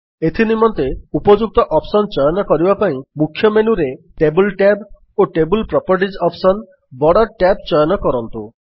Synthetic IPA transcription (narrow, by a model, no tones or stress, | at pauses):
et̪ʰinimɔnt̪eupɔd͡ʒuk̚t̪ɔʔɔpsɔnt͡ʃɔjɔnɔkɔɾibapaĩmukʰːjɔmenuɾeʈebulʈɛb | oʈebulpɾɔpɔɾʈ̬id͡ʒɔpsɔn | bɔɽɔʈɛb̚t͡ʃɔjɔnɔkɔɾɔnt̪u